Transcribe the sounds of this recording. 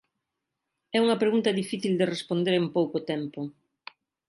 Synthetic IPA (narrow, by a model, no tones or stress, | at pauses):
ɛuŋɐpɾeɣunt̪ɐðifiθild̪erespond̪eɾempowkʊt̪ɛmpʊ